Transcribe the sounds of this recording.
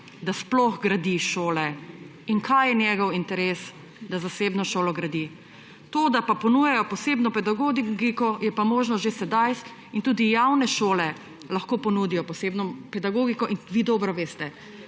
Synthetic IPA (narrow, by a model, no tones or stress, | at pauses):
d̪asplɔxɡɾad̪iʃoːlɛiŋkʰajjɛnjɛɡɔwint̪ɛɾes | d̪azaseːbnɔʃoːlɔɡɾad̪i | t̪od̪apapɔnujɛjɔpɔseːbnɔpɛd̪aɡoɡɡikɔjɛpamoːʒnɔʒesɛd̪ajs | int̪uːd̪ijawnɛʃoːlɛ | laxkoːpɔnuːd̪ijɔpɔseːbnɔpɛd̪aɡoːɡikɔʔinʋiːd̪ɔːbɾɔʋeːst̪ɛ